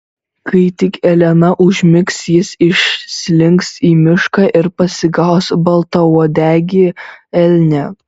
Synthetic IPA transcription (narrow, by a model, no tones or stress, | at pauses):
kɐɪt̪ʲɪkɛlʲɛnɐʔʊʒʲmʲɪksjɪsɪʃʲsʲlʲɪŋksiːmʲɪʃkɑʔɪɾpɐsʲɪɡɑˑʊsbɐlˠt̪ɐuɔd̪ʲæːɡʲɪɛlʲnʲɛ